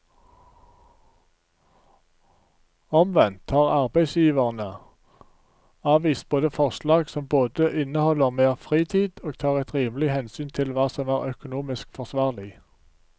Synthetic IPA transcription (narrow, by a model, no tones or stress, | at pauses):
ɔmʋɛnt̪ʰhɑːʁɑʁbæɪsjiːʋəʁnə | ɑːʋiːs̚boːd̪əfɔʁslɑːɡsɔmboːd̪əʔɪnəhɔləʁmeːʁfʁiːt̪ʰiːd̪̥oːɡ̥̚t̪ʰɑːʁɛt̪ʁiːməlɪhɛnsyːnt̪ʰɪlʋɑːsɔmæːʁœkʊnuːmɪskfɔʁsʋɑːʁlɪ